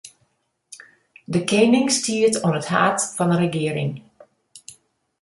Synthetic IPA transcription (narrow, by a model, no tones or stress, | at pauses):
dəkejnɪŋstiːəɹtɔnətha̰ːtfɑndəɾəɡɪːəɾɪ̰ŋ